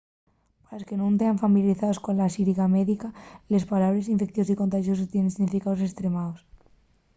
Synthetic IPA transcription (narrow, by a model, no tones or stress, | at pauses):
palaskenũnt̪eaɱfamiljaɾiθaðo̞skonlasiɾiɣameðikale̞spalaβɾe̞siɱfe̞k̚θjoikont̪aʃjo̞s̬ot̪jenensiɣnifikaðos̬e̞st̪ɾe̞maos